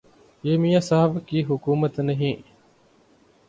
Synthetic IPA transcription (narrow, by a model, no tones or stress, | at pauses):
emijɐsɐɦɐbkiːɦukuːmɐt̪neɦĩː